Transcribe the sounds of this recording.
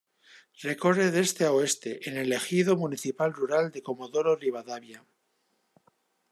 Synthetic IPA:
re̞ko̞re̞ðe̞st̪eaoe̞st̪e̞ʔene̞le̞xið̞omuniθipalruɾald̪e̞ko̞mo̞ðo̞ɾoriβaðaβja

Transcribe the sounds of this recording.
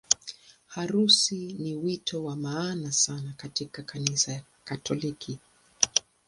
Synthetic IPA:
haɾusiniwitʰɔwamaːnasanakatikakʰanisaja | katʰɔlikʰi

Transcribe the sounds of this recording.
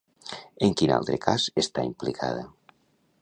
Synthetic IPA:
eŋkina̰lˠt̪ɾekʰazest̪aimplikʰa̰ða

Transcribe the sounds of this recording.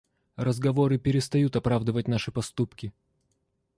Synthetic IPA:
rəzɡɐvo̞ɾɨpʲɪɾʲɪst̪ɐjut̪ɐpɾavd̪ɨvət̚ʲnaʂɨpɐst̪upkʲɪ

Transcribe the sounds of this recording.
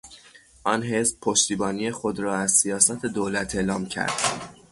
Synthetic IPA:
ʔɒːnɦe̞sb̥̚pʰoʃt̪iːbɒːniːexod̪ɾɒːæzsijɒːsæt̪ʰed̪oːlæt̪ʰe̞ːlɒːmcʰæ̰ɾd̪̥

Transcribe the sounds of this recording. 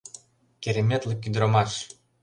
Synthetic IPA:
kʲeɾʲemʲet̪lʲĕkʲːyd̪ɾomɑʃ

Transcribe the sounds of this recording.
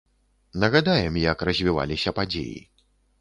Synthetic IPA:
nɐɣad̪ajɛmjɐkrɐzʲvʲiva̰lʲisʲɐpad͡zʲḛjḭ

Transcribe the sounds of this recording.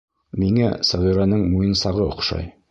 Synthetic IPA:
miŋæ̰sɒʁiɾanɤɴmujɤnsɑʁɤŏ̰qʃɑ̰j

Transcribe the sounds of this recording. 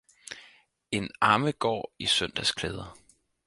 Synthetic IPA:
e̝nɑ̈ːməɡ̥ɒ̰ːisœn̰d̥æskʰleːð̞ˠɐ

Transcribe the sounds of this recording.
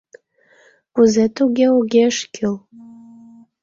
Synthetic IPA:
uzet̪uɡʲeuɡʲeʃkʲʰɨl

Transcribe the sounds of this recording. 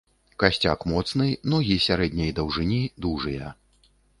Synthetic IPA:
kasʲt͡sʲa̰kmɔt̪snɨjnɔɣʲisʲaɾɛd̪ʲnʲɐjd̪ɐwʐɨnʲid̪uʐɨjɐ

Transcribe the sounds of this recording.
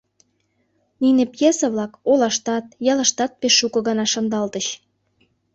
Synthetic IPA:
ninepjesə̆βlɑkolɑʃt̪ɑt̪̚jɑləʃt̪ɑt̪̚peʃːukɤ̆ɣɑnɑʃɑnd̪ɑlt̪əɕ

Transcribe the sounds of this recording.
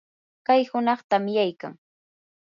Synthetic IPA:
kajhʊnɑχt̪amɪjajka̰ŋ

